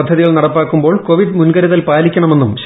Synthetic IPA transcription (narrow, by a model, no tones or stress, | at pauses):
ɐd̪ʱːɐðiɣɐɭnɐɽɐpːaːkːumbo̞ːɭko̞ʋid̪munɡɐɾɐðɐlpaːlikʲːɐɳɐme̞nːumɕ